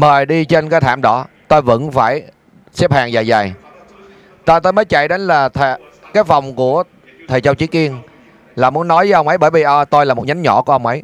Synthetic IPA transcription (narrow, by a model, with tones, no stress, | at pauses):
məː˨˩jɗi˧t͡ɕe˧nkaː˨˦t̪ʰaː˧˩mɗɔ˧˨˦t̪o˧jvə̰˧˥nfaː˧˩j | sɛ˦˥p̚haː˨˩ŋzaː˨˩jza˨˩j | t̪aː˧jt̪o˧jmə˨˦jt͡ɕa̰˧˨jɗe˨˦nlaː˨˩t̪ʰː | kaː˨˦jfa˨˩wŋ͡mku˧˩ə | t̪ʰəː˨˩jt͡ɕa˧wt͡ɕi˨˦˥ki˧ən | laː˨˩mu˨˦ənːɔ˨˦jvəː˨˦ʔə˧wŋ͡mʔə˨˦jɓəː˧˩jvi˨˩ʔt̪o˧jlaː˨˩mo˨˩t̚ɲa˨˦jŋ̟ɲɔ˧˩˥ku˧˩əʔə˧ŋ͡mʔə˨˦j